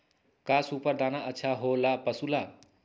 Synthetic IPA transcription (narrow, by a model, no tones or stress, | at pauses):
kasupʌrd̪ʱanaʔətːsʰaɦolapʌsula